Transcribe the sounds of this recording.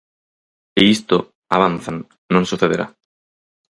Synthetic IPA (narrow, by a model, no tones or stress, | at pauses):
ɪist̪ʊ | aβ̞anθan | nõŋsuθeðeɾa̰